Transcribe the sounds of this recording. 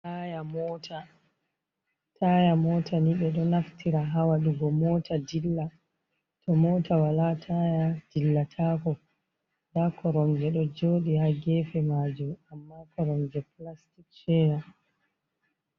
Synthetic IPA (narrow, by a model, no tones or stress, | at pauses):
ajamɔtʰa | tʰajamɔːtʰaniɓɛɗɔnaftiɾaɦawaɗuɡɔmɔːtʰadilːa | tɔmɔːtʰawalatʰajad̥ilːatʰaːkɔ | dakʰɔɾɔmd͡ʒɛɗɔd͡ʒoːɗihaɡɛfɛmaːd͡ʒumamːakɔɾɔmd͡ʒɛplastikt͡ʃɛːɾa